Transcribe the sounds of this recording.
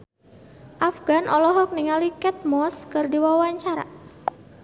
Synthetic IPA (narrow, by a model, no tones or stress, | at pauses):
ʔafɡanʔɔlɔɦɔk̚niŋalikɛt̪̚mɔskɨrdiwawaɲt͡ʃaɾa̰